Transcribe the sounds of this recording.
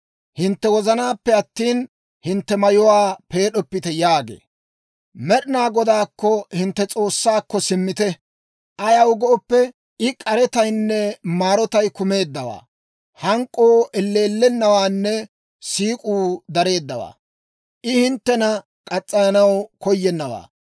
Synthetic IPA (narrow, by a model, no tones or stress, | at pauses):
hɪnt̪ːɛwɔzɐnaːpːɛɐt̪ːiːn | hɪnt̪ːɛmɐjɔwaːpe̞ːɗɔpːɪt̪ɛjaːɡḛː | mɛɗɪnaːɡɔd̪aːkːɔhɪnt̪ːɛt͡sʼo̞ːsːaːkːɔsɪmːɪt̪ɛ | ʔɐjɐwʊɡɔɔpːɛ | ɪkʼɐɾɛt̪ɐjnːɛmaːɾɔt̪ɐjkʊme̞ːd̪ːɐwa̰ː | hɐŋkʼːoːʔɛlːe̞ːlːɛnːɐwaːnːɛ | siːkʼuːd̪ɐɾe̞ːd̪ːɐwa̰ː | ʔɪhɪnt̪ːɛnɐ | kʼɐt͡sʼːɐnɐnɐwkɔjːɛnːɐwa̰ː